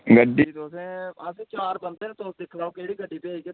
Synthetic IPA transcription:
ɡəɖːiːd̪oːsẽəsĩːt͡ʃaːɾbə̃nd̪enẽt̪osd̪ɪkʰlaːokəɽiːɡəɖːiːpeiːke

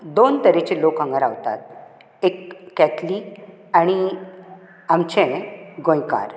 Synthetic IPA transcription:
d̪ont̪əɾet͡ɕelokɦə̃ŋɡaɾa̰ʋt̪a̰t̪̚ | ekːɛt̪ʰli | añi | amt͡ɕɛ̃ɡõjka̰ɾ

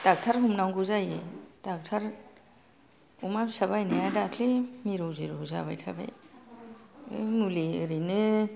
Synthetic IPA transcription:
tak̚tʰaɾɦumnawɡuzajed̥ak̚tʰaɾ | umamsabajnajadakʰlemiɾowziɾouza̰βajtʰabḛj | muliɯɾinɯ

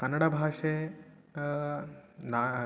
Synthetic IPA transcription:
kɐnːəɽabʱaʂe | na

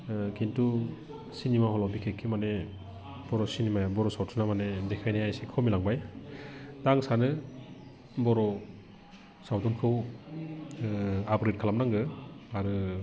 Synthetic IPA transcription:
kintu | sinimaɦɔlɔbikʰekʰːimane | b̥ɔɾɔsinimajabɔɾɔsawtʰunamanedekʰajnajajsekʰɯmilaŋbaj | daŋsanɯ | bɔɾɔ | sawdɔnkʰɯw | abɾet̚kʰalamnaŋɡɯaɾɯ

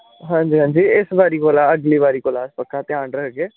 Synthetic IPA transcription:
ɦãːɲd͡ʒiːɦãːɲd͡ʒiːɪsbaːɾiːkoːlaːəɡliːbaːɾiːkoːlaːspəkːaːt̪ɪãːɳɾəkɡeː

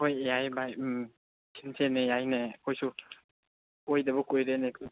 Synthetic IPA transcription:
hojjajbaj | sʰinsenejajnekʰojsu | kojdabɔkojɾenekʰ

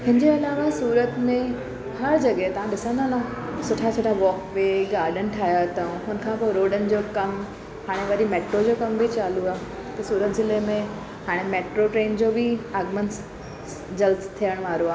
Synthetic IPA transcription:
ɦɪ̃nd͡ʑeɐlaːʋasuːɾət̪mẽ | hɐɾd͡ʑɐɠɦet̪ɐʋãɗɪsə̃nd̪ʱanãːsʊʈʰat͡ɕʰɐʈʰaʋɔːkʋeːɡaːɾɖən̆ʈʰaːɦjat̪ɐɦʊnə̆kʰãːpoːɾoːɖənɪ̆d͡ʑoːkɐm | haːɽ̃eʋɐɾimeːʈɾod͡ʑoːkɐmbʱit͡ɕaːluaːɦ | t̪ɐsuːɾət̪zɪlemẽ | haːɽ̃emeːʈɾoʈɾeːnd͡ʑoːbʱɪaːɡməns | d͡ʑɐlst̪ʰijəɽ̃ʋaːɾoaː

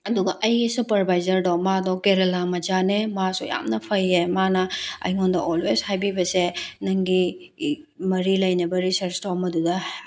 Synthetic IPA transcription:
ɐduɡɐʔɐjɡisupɐɾbʱajzɐɾdomadɔkeɾelamɐd͡ʒanemasuja̰mnɐpʰɐjːemanɐɐ̰jŋondɐʔolweshajbibɐsenɐŋɡi | mɐɾilɐjnɐbɐɾisɐɾstomɐdudɐ

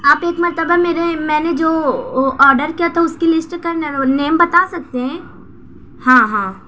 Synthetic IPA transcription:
aːpeːkmɐɾt̪əbameːɾemɛ̃ːned͡ʒoːʔɔːɾɖəɾkijat̪ʰaʊskelɪsʈkɐɾnaoneːmbɐt̪asɐk̚t̪eɦɛ̃ː | hãːɦãː

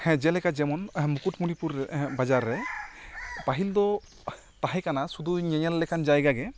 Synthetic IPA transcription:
d͡ʒɛlɛkazɛmɔnmukutmunipuɾbazaɾːɛ | paɦild̪ɔ | t̪aɦɛkanasud̪uɲɛɲalːɛkʰand͡ʒajɡaɡɛ

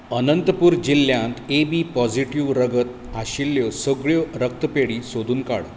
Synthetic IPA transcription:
ənənt̪əpuːɾd͡ʑilːjãnt̪ebiːpɔd͡ziʈiʋɾəɡət̪̚ | aɕilːjɔsəɡɭjɔɾək̚t̪əpeɽiːsod̪ʱuːnka̰ɽ

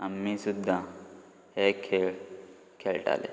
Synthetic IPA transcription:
ɐmːĩsud̪ʱːã | hekʰːe | kʰeːlʈa̰ːlḛ

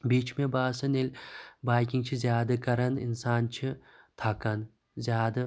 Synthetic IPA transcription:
bit͡ʃʰmebaːsɐnelʲbaːjkʲiŋt͡ʃʰizjaːd̪ɨkɐɾɐnḭnsaːnt͡ʃʰit̪ʰakɐn | zʲaːd̪ɨ

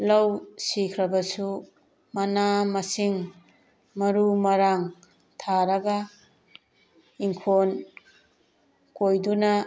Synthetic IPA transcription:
lɐwsikʰɾɐbɐsu | mɐnamɐsiŋ | mɐɾumɐɾaŋ | tʰaɾɐɡa | iŋkʰon | kojdunɐ

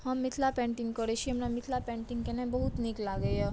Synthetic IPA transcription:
ɦəmːit̪ʰlapɛ̃ɳʈiŋɡkəɾeiɦəmnamit̪ʰlapɛ̃ɳʈiŋɡkenẽbəɦut̪niklaɡeɦɔ

